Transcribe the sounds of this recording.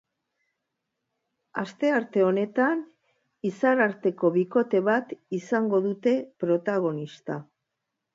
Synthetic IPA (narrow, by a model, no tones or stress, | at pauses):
ast̪e̞aɾt̪e̞o̞ne̞t̪an | isaɾaɾt̪e̞ko̞βiko̞t̪e̞βat̪isaŋɡo̞ðut̪e̞pɾo̞t̪aɣ̞o̞nist̪a